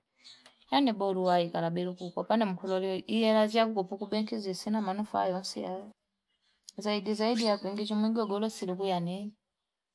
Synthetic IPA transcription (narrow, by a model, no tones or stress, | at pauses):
janɛɓɔluwaikalaɓɛɾukukɔpanɛm̩kʰɔlɔlɛɔʔijɛlaziakukɔpukuɓɛŋkʰizisinamanɔfa̰jɔnsḭa | zaidizaidijakɛŋɡit͡ʃɔmɛŋɡɔɡɔlɔsilikujanɛni